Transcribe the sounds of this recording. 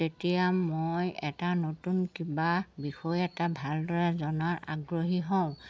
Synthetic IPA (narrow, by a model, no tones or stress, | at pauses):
etijamojɛtanotunkibabixɔjɛtabʱaldɔɹɛzɔnaɹa̰ɡɹoɦiɦɔʊ̃